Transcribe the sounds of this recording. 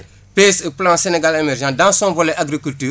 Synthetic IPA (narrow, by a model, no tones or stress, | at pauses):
peseplãseneɡalemɛɾʒãdãsɔ̃vɔlɛʔaɡɾikyltyː